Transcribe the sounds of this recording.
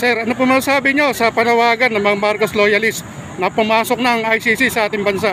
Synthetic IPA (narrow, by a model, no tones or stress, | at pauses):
sɛɾʔɐnop̬ʊmɐsasaːbɪɲo̞sɐpɐnɐwaːɡɐnːɐŋmɐŋamaɾkoslojɐlɪst̪ | nɐpʊmaːso̞k̚nɐŋɐjsisisɐʔaːt̪ɪŋbɐnsaʔ